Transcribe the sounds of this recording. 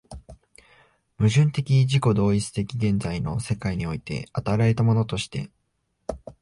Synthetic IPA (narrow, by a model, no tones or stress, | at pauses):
mɯ̟ʑɨ̃nt̪e̞kʲiʑiko̞d̪o̞ːit͡sɨ̥t̪e̞kʲiɡẽ̞nd͡zaino̞̰se̞kaiɲ̟io̞it̪e̞̰at̪aɾae̞t̪amo̞no̞t̪o̞ɕi̥t̪e̞̰